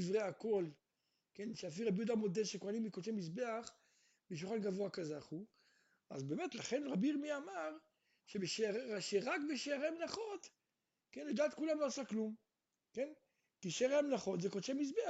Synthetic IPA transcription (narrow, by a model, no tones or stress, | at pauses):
ivʁeako̞l | kenʃeafiʁabijud̪amo̞d̪eʃekoanimːikot͡ʃemisbe̞aχ | beʃuχanɡavoakazaχu | a̰zbe̞ːmet̪laχe̞nʁabiiʁmiamaʁ | ʃebeʃeʁaʃeʁakbeʃeaʁemelaχo̞t̪ | kenled̪aːt̪kulamlo̞asaklum | ke̞n | t̪iʃaʁeamelaχo̞t̪zekot͡ʃemis̬bea